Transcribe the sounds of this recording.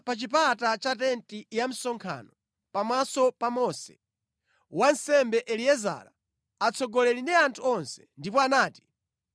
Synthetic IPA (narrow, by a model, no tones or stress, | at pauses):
pat͡ʃipatat͡ʃatɛntijam̩sɔŋkʰa̰nɔ | pamasɔpamɔsɛ̰ | wansɛmbɛʔɛliɛza̰la | at͡sʰɔɡɔlɛlindiantʰuɔnsɛ̥ndipɔanaːti̥